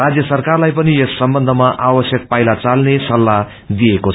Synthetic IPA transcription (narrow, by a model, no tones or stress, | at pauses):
rad͡zjʌsʌrkarlajpʌniesːʌmbʌnd̪ʱʌmaʔawʌsjʌk̚pajlat͡salnesʌlːa | d̪ijeko